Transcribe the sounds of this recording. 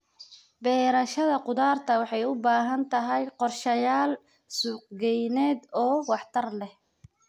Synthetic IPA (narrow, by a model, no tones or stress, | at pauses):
bɛːɾɐʃɐðɐqʊd̪aːrt̪ʰɐwɑħɑjʊbaːɦɐnt̪ʰɐɦɛjqɔrʃɐjaːl | suːq̚ɡɛjnɛːd̪ɔːwɑħt̪ʰɐrlɛh